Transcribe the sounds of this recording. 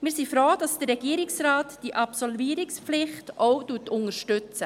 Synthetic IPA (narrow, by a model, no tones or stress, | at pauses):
mɪːsifɾoːd̥ɑsd̥əɾːɛɡ̥iːəɾɪksɾaːtd̥iʔɑpsɔlviːəɾɪkspflɪχtoʊtuːtʊŋəɾʃtʏt͡sə